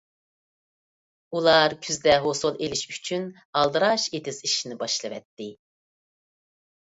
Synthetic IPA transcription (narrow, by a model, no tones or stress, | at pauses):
ulˠɑɾkʲʰyzd̪ɛɦosolˠelɪʃyt͡ʃʰyn | ɑlˠd̪ɨɾɑʃet̪ʰɪziʃinɪbɑʃlˠɨvɛ̰t̪ːɪ